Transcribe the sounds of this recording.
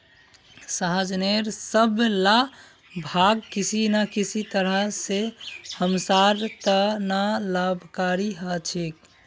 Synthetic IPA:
saɦəd͡ʒneɾsəbla | bʱaɡ̚kisinakisʰit̪əɾəɦsehəmsaɾt̪ənalabʱkaɾiɦat͡ʃʰik

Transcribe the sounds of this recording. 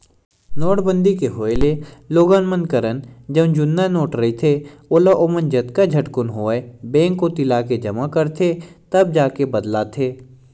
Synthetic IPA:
noːʈbə̃nd̪ikeɦoːeleloːɡanmənkəɾənd͡ʒɐbnd͡ʒʊnːanoːʈɾɐit̪ʰeolaʔomənd͡ʒɐd̪kad͡ʒʱɐʈkʊnɦoːebɛ̃ːŋkːot̪ɪlaːked͡ʒɐmakɐɾt̪ʰet̪ɐb̚d͡ʒaːkebɐd̪lat̪ʰeː

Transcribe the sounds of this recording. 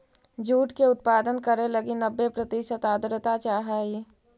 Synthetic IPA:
d͡ʒuːʈkeʊt̪̚paːd̪ənkəɾelɐɡɪnəbːepɾət̪iʃət̪aːd̪ɾət̪at͡ʃaːɦaːi

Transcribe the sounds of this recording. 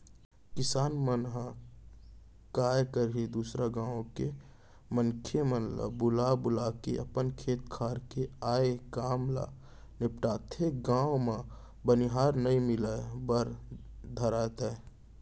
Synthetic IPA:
kɪsaːnmənɦa | kaːjkəɾed̪uːsɾaɡãːõke | məŋkʰemənlə̰bʊlabʊlakeʔəpənkʰeːt̪kʰaːɾkeaːekaːmla̰ | nɪpʈaːt̪ʰeɡãːwomã | bəniɦaːɾnəĩmɪlabəɾd̪ʱəɾaːt̪ɛ

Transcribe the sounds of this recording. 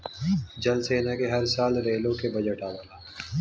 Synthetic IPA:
d͡ʒɐlseːnakeɦɐɾsaːlɾeːlõkebɐd͡ʒəʈaːbaːlaː

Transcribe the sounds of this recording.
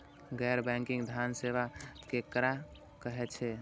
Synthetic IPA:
ɡɛɾbɛ̃ŋkĩŋɡd̪ʱansebakekɾa | kəɦɛt͡ʃʰɛ

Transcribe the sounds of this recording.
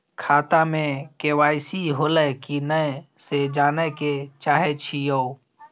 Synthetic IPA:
kʰaːt̪amẽkeːʋaːɪsiɦoːlɛkinəsed͡ʒaːneket͡ʃaːɦet͡ʃʰijoː

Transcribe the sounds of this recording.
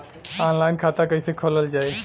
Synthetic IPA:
aːnlaːɪnkʰaːt̪akəĩsekʰoːləld͡ʒaːe

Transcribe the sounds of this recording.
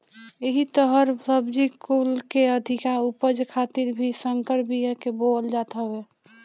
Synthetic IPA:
eɦit̪əɦəɾəbd͡ʒikulkeəd̪ʱikaupəd͡ʒkʰat̪iɾbʱisəŋkəɾbʱijeɦkebold͡ʒat̪ae

